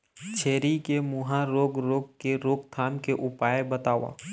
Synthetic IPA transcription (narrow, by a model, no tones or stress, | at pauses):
t͡ʃʰeːɾikemʊɦãɾoːɡɾoːɡ̚keɾoːɡt̪ʰaːnkeʔʊpaːebɐt̪aːʋa̰ː